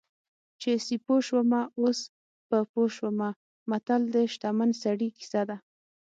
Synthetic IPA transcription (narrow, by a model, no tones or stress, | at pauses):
t͡ʃesipoʃwəmaos | pəpoʃwəma | mat̪ald̪əʃt̪amansaɽiki̥sad̪a